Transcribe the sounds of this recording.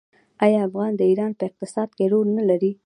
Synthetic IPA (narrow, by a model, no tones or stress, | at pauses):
ɑjɑafɣɑnd̪əiɾɑnpəɪq̚t̪ɪsɑd̪keɾoɾnalaɾi